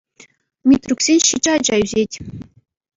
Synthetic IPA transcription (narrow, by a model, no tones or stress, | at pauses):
mʲit̪rʲuksʲenʲɕid͡ʑɘ̆ɑd͡ʑɑyzʲetʲ